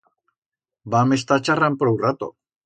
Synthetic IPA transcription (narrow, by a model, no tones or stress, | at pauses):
bames̬t̪at͡ʃarampɾowrat̪o̰